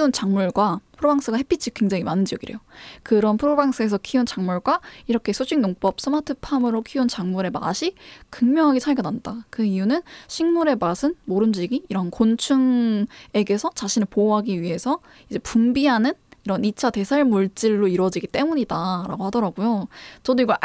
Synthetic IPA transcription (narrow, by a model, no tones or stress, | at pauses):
unt͡ɕaŋmuɭɡwapʰɯɾobaŋs͈ɯɡahepʰit͡ɕʰikwe̞ŋd͡ʑaŋimanɯnd͡ʑijʌɡiɾḛjokɯɾʌnpʰɯɾobaŋs͈ɯe̞sʰʌkʰiunt͡ɕaŋmuɭɡwaiɾʌkʰe̞sʰot͡ɕʰiŋnoŋp͈ʌp̚s͈ɯmatʰɯpʰamɯɾokʰiunt͡ɕaŋmuɾe̞ma̰ɕʰikɯŋmjʌŋɦaɡesʰaɭɡʌnandakɯijunɯnɕʰiŋmuɾe̞masʰɯnmoɾɯmd͡ʑiɡiːɾʌɦankont͡ɕʰuŋe̞ɡe̞sʰʌt͡ɕaɕʰinɯɭpoɦaɡiɥiɦe̞sʰʌ | id͡ʑe̞pumbiɦanɯniɾʌnit͡ɕʰate̞sʰaɭmuɭt͡ɕ͈iɭːoiɾwʌd͡ʑiɡit͈e̞muɲidaɾa̰ɡohadʌɾaɡujot͡ɕʌdoiɡʌɭ